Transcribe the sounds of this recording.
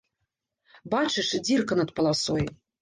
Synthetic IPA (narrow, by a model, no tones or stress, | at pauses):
bat͡ʂɨʂd͡zʲirkɐnɐt̪̚pɐlˠasɔj